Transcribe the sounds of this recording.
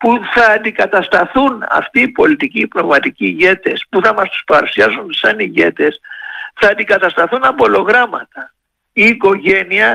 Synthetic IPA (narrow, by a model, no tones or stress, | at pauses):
puθɐːnd̪ikɐt̪ɐst̪ɐθunɐ̰ft̪iːpo̞lit̪iciːpno̞vmɐt̪iciːʝe̞t̪e̞spuθɐmɐst̪u̥spɐɾusiɐzunsɐniʝe̞t̪e̞sθɐːnd̪ikɐt̪ɐst̪ɐθunɐbo̞lo̞ɣɾɐmɐ̰t̪ɐ | iːko̞ʝe̞niɐ